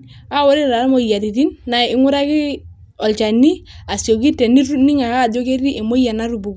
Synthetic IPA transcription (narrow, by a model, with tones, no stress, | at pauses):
a˦wɔ˦ɾi˦ɾa˨lmo˨ja˨ti˨ti˦nːa˨ɪ˦ŋu˦ɾa˦ki˦ | ɔ˨lt͡ʃa˨nːi˦a˨sjo˨ki˦tːɛ˨ni˦ɾni˦ŋa˨ka˦˨do˦ke˦ɾi˦ʔe˨mo˦ja˨na˦ɾu˨bu˨k